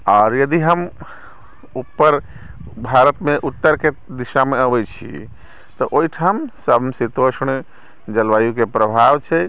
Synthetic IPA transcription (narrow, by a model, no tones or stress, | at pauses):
ɔːɾjəd̪iɦəm | upːəɾ | bʱaɾət̪meʔut̪ːəɾke | d̪iʃameəbɛt͡ʃʰḭ | t̪ɔʔoiʈʰamsəmsit̪osɳ | d͡ʒəlʋajukepɾəbʱaʋt͡ʃʰɛ